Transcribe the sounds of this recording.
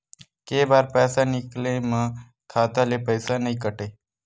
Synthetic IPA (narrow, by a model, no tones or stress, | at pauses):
keːbaːɾpɛːsanɪklẽːmə̃ | kʰaːt̪alepəɪsanəĩːkəʈeː